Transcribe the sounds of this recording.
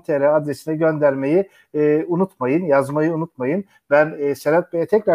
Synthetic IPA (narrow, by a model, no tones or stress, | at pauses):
t̪ʰeɾɛad̪ɾesinɛɟønd̪æɾme̞ji | unut̪majɯnjazmajɯunut̪̚majɯn | bænːseɾat̪̚bejɛt̪ʰɛcɾa